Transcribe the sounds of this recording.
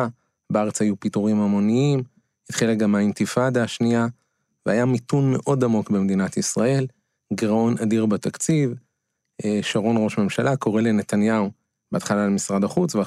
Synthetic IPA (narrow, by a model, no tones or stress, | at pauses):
a | beaʁet͡shajupit̪uʁimamo̞niim | hit̪χilaɡamaint̪ifadaʃnia | veajamit̪unmeʔo̞damo̞kbemed̪inat̪isʁae̞l | ɡʁao̞nadiʁbat̪akt͡siv | eʃaʁo̞nʁo̞ʃme̞mʃalʔako̞ʁe̞lenet̪anjau | b̥eaːt̪χalaːlmisʁadaχut͡svea